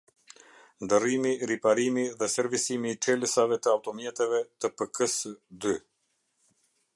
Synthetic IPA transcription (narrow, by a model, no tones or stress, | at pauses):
nd̪ərimiɾipaɾimiðɛsɛɾvisimiːt͡ʃɛləsavɛt̪əawt̪ɔmjɛt̪ɛvɛt̪əpəkəsəd̪y